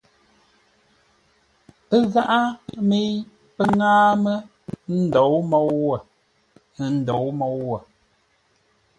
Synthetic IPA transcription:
ə˦ɣa˦ʔa˦me˦j | pə˦ŋaː˦mə˦ | n̩˦dɔ˨˦wmɔ˦wwə˨ | n̩˦dɔ˨wmɔ˨˦wwə˨

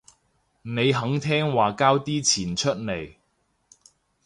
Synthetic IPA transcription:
ne˨˧jɦɐ˨˥ŋt̪ʰɛː˥ŋwaː˨˩kaː˥wt̪iː˥t͡sʰiː˨˩nt͡ʃʰɵ˥t̚ne˨˩j

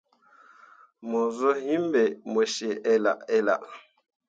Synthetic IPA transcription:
mɔ˨zɔ˦hi˦m˦bɛ˨mɛ˨ʃe˨ɛ˦la̰˨ʔɛ˦la̰˨ʔ

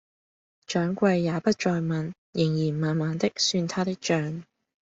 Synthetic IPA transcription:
t͡ʃœː˨˥ŋkʷɐ˧jːaː˨˧pɐ˥t̚t͡ʃɔː˧jmɐ˨n | jɪ˨˩ŋjiː˨˩nmaː˨˧nmaː˨˧nt̪ɪ˥k̚syː˧nt̪ʰaː˥t̪ɪ˥k̚t͡ʃœː˨˥ŋ

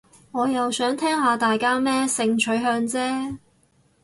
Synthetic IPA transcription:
ŋɔː˨˧jɐ˨wsœː˨˥ŋt̪ʰɛː˥ŋhaː˨˧t̪aː˨jkaː˥mɛː˥sɪ˧ŋt͡ʃʰɵ˨˥ɦœː˧ŋt͡sɛː˥

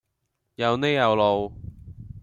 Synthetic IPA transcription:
jɐ˨˧wne˥jjɐ˨˧wlo˨˧w

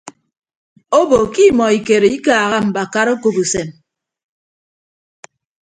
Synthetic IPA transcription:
o˦bo˨ki˦mɔ˨i˨ke˨ɾe˨i˦kaː˨ɣa˦m̩˨ba˨ka˦ɾo˦ko˨bu˨se˨m

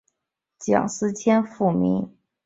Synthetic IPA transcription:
t͡ɕjɑ̰˨˩ŋsɹ̩˥t͡ɕʰjɛ˥nfu˥˩mḭ˧˥ŋ

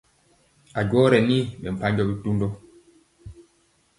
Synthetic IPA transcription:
a˨ɟwɔ˦ɾɛ˨ni˦ɓɛ˨m̩˨pa˦ɲɡɔ˦ɓi˦tu˦ndɔ˦

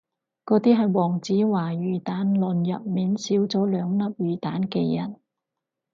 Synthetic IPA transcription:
kɔː˨˧˥t̪iː˥ɦɐ˨jwɔː˨˩ŋt͡siː˨˥waː˨˩jyː˨˩t̪aː˨˥nlɵ˨njɐ̰˨p̚miː˨nsiː˨˥wt͡sɔː˨˥lœː˨˧ŋnɐ˥p̚jyː˨t̪aː˨˥nkeː˧jɐ˨˩n

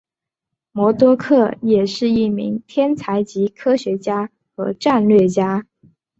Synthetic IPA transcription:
mwɔ˧˥t̪wɔ˥kʰɤ˥˩jɛ˨˩ʂɻ̩˥˧i˥˩mḭ˧˥ŋt̪ʰjɛ˥nt͡sʰa˧˥ɪt͡ɕi˧˥kʰɤ˥ɕɥɛ˧˥t͡ɕja˥ | xɤ̰˧˥ʈ͡ʂa˥˧nlɥɛ˥˩t͡ɕja˥

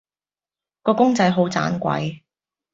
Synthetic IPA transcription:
kɔː˧kʊ˥ŋt͡sɐ˧jɦo˨˥wt͡sa̰ː˨˥nkʷɐ̰˨˧j

